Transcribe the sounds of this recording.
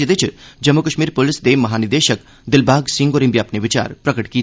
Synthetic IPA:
ed̪et͡ʃʰd͡ʒɐmːukɐʃmiːɾpʊlɪsd̪eːmɐɦaːnɪɾd̪eːʃək | d̪ɪlbʱaːɡsɪ̃ŋɡoɾimbiapneʋɪt͡ʃa̰ːɾpɾɐkəʈkiː

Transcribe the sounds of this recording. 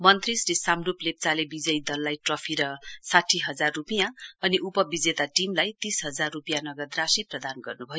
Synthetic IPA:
mʌnt̪risɾisamruplep̚t͡salebid͡zʌjd̪ʌlːajʈrʌpʰiɾʌsaʈʰiɦʌd͡zarːupijãʌniʔupʌbid͡zet̪aʈimlajt̪isɦʌd͡zarːupijanʌɡʌd̪rasiprʌd̪anɡʌrnubʱʌjo

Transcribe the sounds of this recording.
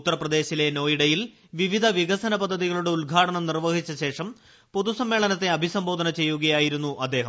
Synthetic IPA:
ut̪ːɐrɐprɐd̪e̞ːɕile̞no̞ːjiɽɐjil | ʋiʋid̪ʱɐʋiɣɐsɐnɐpɐd̪ʱːɐðiɣɐɭuɽe̞ulɡʱaːʈɐɳɐmnirʋɐɦit͡ɕːɐɕe̞ːʂɐm | po̞ðusɐmːeːɭɐnɐt̪ːe̞ɐbʱisɐmbo̞ːd̪ʱɐnɐt͡ɕe̞jːuɣɐjaːjiɾun̪ːuʔɐd̪ːe̞ːɦɐm

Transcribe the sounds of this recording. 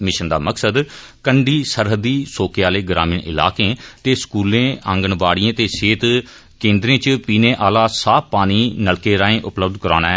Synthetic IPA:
mɪʃənd̪a̰ːməksəd̪ | kəɳɖiːsəɾɦəd̪iːsoːkeaːleːɡɾa̰ːmiːɳʔɪ̰la̰ːkẽːt̪eːskuːlẽːʔə̃ŋɡəɳʋaːɽɪẽːt̪eːseːt̪ | kẽːnd̪ɾẽːt͡ʃpiːnẽːʔaːlaːsaːpaːniːnəɭkeːɾaːẽːʔʊpləb̚d̪kəɾaːña

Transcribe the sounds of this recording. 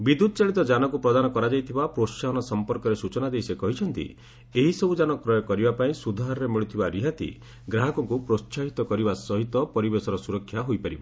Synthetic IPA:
bid̪ud̪ɔt͡ʃaɭit̪ɔd͡ʒanɔk̬upɾɔd̪anɔkɔɾad͡ʒajt̪ʰibapɾoʃaɦɔnɔsɔmpɔɾkɔɾesut͡ʃɔnad̪ejsekɔɦit͡ʃʰɔnt̪ḭ | eɦisɔbud͡ʒanɔkɾɔjɔkɔɾibapaĩsud̪ʱaɦɾɔɾemiɭut̪ʰibaɾiɦat̪ḭ | ɡɾaɦɔkɔŋkupɾot͡ʃaɦit̪ɔkɔɾibasɔɦit̪ɔpɔɾibesɔɾɔsuɾɔkʰːjaɦojpaɾibɔ

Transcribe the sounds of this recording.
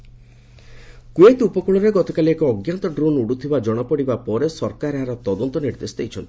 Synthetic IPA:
kuet̪upɔkuɭɔɾeɡɔt̪ɔkaliekɔːɡjant̪ɔɖɾonuɽut̪ʰibad͡ʒɔɽ̃ɔpɔɽibapɔɾesɔɾkaɾɦaɾɔt̪ɔd̪ɔnt̪ɔniɾd̪esd̪ejt͡ʃʰɔnt̪i̥

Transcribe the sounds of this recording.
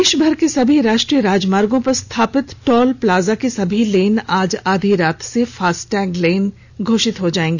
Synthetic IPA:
eːʃbʱɐɾkesɐbʱiɾaːʃʈɾijəɾaːd͡ʒmaːɾɡõpɐɾst̪ʰaːpɪt̪ʈɔːlplaːzakesɐbʱileːnaːd͡ʒaːd̪ʱiɾaːt̪ʰsefaːsʈɛ̃ːɡleːn | ɡʱoːʃɪt̪ɦod͡ʒaːẽːŋɡeː

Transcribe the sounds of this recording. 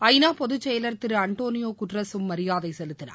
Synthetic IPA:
ɐɪnaːpɔðɯt͡ʃːɛjɐlɐɾt̪ɪɾɯɐɳʈoːnɪjoːkʊʈrɐsɯmːɐɾɪjaːðɐɪsɛlɯt̪ːɪna̰ː

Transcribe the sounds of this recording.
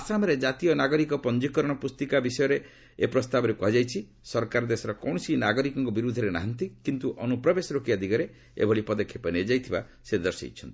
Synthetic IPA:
asamɔɾed͡ʒat̪ijɔnaɡɔɾikɔpɔnd͡ʒikɔɾɔɽ̃ɔpust̪ikabisɔjɔɾe | epɾɔst̪abɔɾepɔɦad͡ʒajt͡ʃʰi | sɔɾkaɾɔd̪esɔɾɔkɔw̃ɔsinaɡɔɾikɔŋkɔbiɾud̪ʱːɔɾena̰ɦant̪ikint̪uʔɔnupɾɔbesɔɾokiad̪ʱiɡɔɾe | ḛbʱɔɭipɔd̪ɔkʰːjepɔned͡ʒajt̪ʰiba | sed̪ɔɾsḛit͡ʃʰɔnt̪i

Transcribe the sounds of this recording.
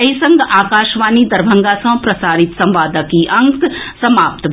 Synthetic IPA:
ɐisɐ̃ŋɡʱaːkaːʃʋaːnid̪ɐɾbʱɐ̃ŋɡaːsɐ̃pɾɐsaːɾɪt̪sɐ̃mʋaːd̪əkiʔɐ̃ŋksɐmaːp̚t̪

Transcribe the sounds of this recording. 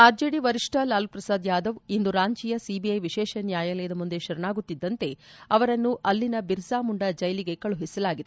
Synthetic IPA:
aːd͡ʒeːɽiʋɐɾiʂʈɐlaːlupɾɐsaːd̪jaːd̪ɐʋind̪uɾaːɲt͡ʃijɐsibiɐjʋiʃɛːʃɐnjaːjaːlɛjɐd̪ɐmund̪e̞ʃɐɾɐɳaːɡut̪ːid̪ːɐnt̪e̞ɐʋɐɾɐnːuʔɐlːinɐbiɾsaːmuɳɖɐd͡ʒɐjɐliɡe̞kɐɭuɦisɐlaːɡid̪e

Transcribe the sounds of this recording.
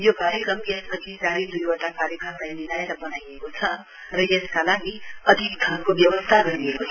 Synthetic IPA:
jokaɾjəkɾʌmesbəd͡zʰʱisaɾid̪ujoʈakaɾjəkɾəmkainiɾajet̪abənaiekot͡sʰʌ | ɾʌjeskalaɡiʌd̪ʱik̚d̪ʱankobjʌʋəst̪ʰaɡʌɾiekot͡sʰ

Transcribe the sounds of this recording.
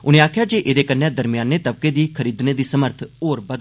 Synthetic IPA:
ʊnẽːaːkʰjaːd͡ʒeːʔeːd̪eːkənːɛ̃ːd̪əɾmɪjaːnːeːt̪əb̚keːd̪iːkʰəɾiːd̪neːd̪iːsəməɾt̪ʰoːɾbəd̪

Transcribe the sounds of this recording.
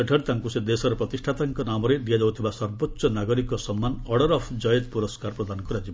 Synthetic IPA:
eʈʰeɽt̪aŋkused̪esɔɾɔpɾɔt̪isʈʰat̪aŋkɔnamɔɾeɖijad͡ʒawt̪ʰibasɔɾbɔtːsɔnaɡɔɾikɔsɔmːanɔɽɔɾɔpʰd͡ʒɔjed̪puɾɔskaɾpɾɔd̪ʱanɔkuɾad͡ʒibɔ

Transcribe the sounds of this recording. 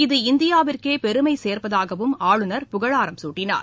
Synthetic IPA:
ɪðɯɪnd̪ɪjaːʋɪrkeːpɛɾɯmɐɪseːɾpɐðaːɣɐʋɯmaːɻɯnɐɾpʊɣɐɻaːɾɐmsuːʈːɪna̰ːɾ

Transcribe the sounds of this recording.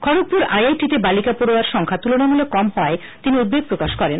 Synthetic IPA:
kʰɔɽok̚puɾajajʈit̪ebalikapoɽowaɾʃɔŋkʰat̪ulonamulekɔmɦɔe | t̪iniud̪̚beɡ̚pɾokaʃkɔɾen

